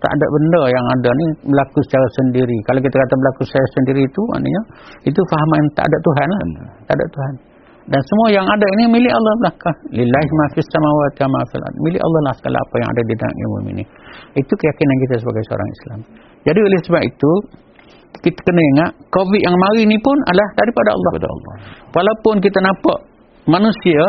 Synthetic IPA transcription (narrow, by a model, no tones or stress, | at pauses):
t̪a̰ʔa̰da̰ʔbəndəjaŋadanibəlakusə̥t͡ʃaɾasəndiɾikalak̬it̪akat̪abəlakusə̥t͡ʃaɾasəndiɾiːt̪uma̰ʔnə̰ɲait̪̬ufaɦmant̪a̰ʔa̰daʔt̪uɦanlaht̪aʔada̰ʔt̪uɦan | dansəmuajaŋadainimilɪʔɑlːɑhblahkahlilamafisamawat̪̚jamafḭla̰milɪ̰ʔɑ̰lːɑhlahsə̥ɡa̰la̰a̰paja̰ŋa̰dadida̰ʔjḭmṵmḭnḭ | it̪ukəjakinankit̪asəbaɡajsəo̰ɾa̰ŋḭsla̰m | d͡ʒadiolɪhsəbapit̪u | kit̪ḁkənaiŋaʔkoviʔ̪̚jaŋmaɾinipʊna̰dlahdaɾipadaɑ̰lˠˤːpada̰ɑ̰lːɑ̰walaupʊnk̬it̪anãpa̰ʔ | manusia